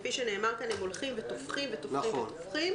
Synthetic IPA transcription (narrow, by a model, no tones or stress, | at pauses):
piʃene̞ːmaʁkanhemolχimvet̪ofχimvet̪ofimetntofχim